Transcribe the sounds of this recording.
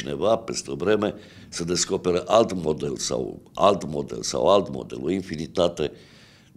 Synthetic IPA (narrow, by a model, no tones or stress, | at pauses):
ine̞vapest̪eovɾe̞me̞ | səd̪e̞sko̞pe̞ɾəʔalt̪mo̞d̪elsa̰wa̰lt̪mo̞̰d̪e̞̰lsa̰walt̪mo̞̰d̪e̞̰linfinit̪at̪e̞